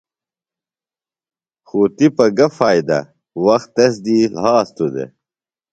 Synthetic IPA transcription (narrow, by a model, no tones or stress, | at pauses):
xuːt̪ipɐɡɐfaːjd̪ɐ̰ | wɐxt̪ːes̬d̪ilɦaːst̪ud̪ḛ